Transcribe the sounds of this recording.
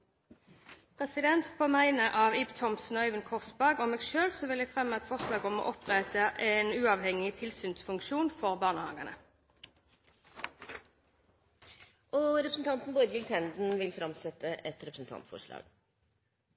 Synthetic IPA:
pʰʁɛsɪd̪ɛnt̪pʰoːmæɪnəʔɑːʋɪbt̪ʰɔmsn̩ɔœʏʋənkʰɔʁsbæʁɡɔmɛːɡʃøːlsɔʋɪlɛːɡfʁɛmːəɛt̪fɔʁʂlɑːɡɔmɔ̰ːʔɔpʁɛt̪əʔɛnʉːɑʋhɛŋɪt̪ʰɪlsyːnsfʉŋkʃuːnfɔʁbɑːʁnəhɑ̰ŋənə̰ | ʔɔɾɛpɾsn̩t̪ʰɑnt̪n̩boːd̪əjɪlt̪ʰɛnd̪n̩ʋɪlfɾɑmsɛt̪ːəʔɛt̪ɾɛpɾəsn̩t̪ʰɑ̰nt̪fɔ̰ʂɭɑ̰ːɡ̥

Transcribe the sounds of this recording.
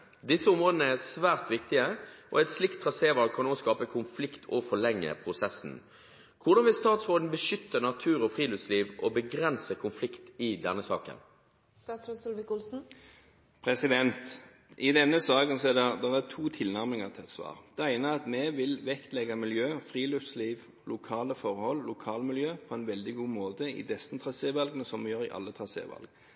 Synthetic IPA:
d̪ɪsːəʊmʁoːd̪n̩əæsʋæːʁt̪ʋɪkt̪ɪəʔɔ̰ɛɪt̪slɪkt̪ʰːʁɑseːʋɑːlkʰɑnoːskɑːpəkʰʊnflɪkt̪ʰɔfɔɭɛŋːə̰pʰʁʊsɛsːn̩ | kʰʊʁd̪ɑnʋɪlst̪ɑːt̪sʁoːd̪n̩bəʃʏt̪ːənɑt̪ʰʉːɾɔfʁiːlʉːt̪sliːʋʔɔbəɡɾɛnsəkʰʊnflɪkt̪ɪd̪ɛnːəsɑ̰ːkə̰n | st̪ɑːt̪sɾɛsʊlʋɪkʊlsn̩ | pʰʁɛsɪd̪ɛnt̪ | ʔɪd̪ɛnːəsɑːkənsɔɛdɛd̪ɛʁæt̪ʰuːt̪ʰɪlnæʁmɪŋət̪ʰɪsʋɑ̰ːʁd̪̥ɛæɪnəɑt̪mɛʋɪlʋɛkt̪lɛɡɑmɪljøːfʁiːløfsliːʋ | lʔʊkʰɑːləfɔɾhɔlːlʊkʰɑːlmɪljøːpʰɔænʋɛld̪ɪɡuːmoːt̪əɪ̰d̪ɛsənt̪ʰɾɑseːʋɑlɡənəsɔmʋɪjøːɾɪʔɑ̰lːət̪ʰʁɑsḛːʋɑ̰lɡ

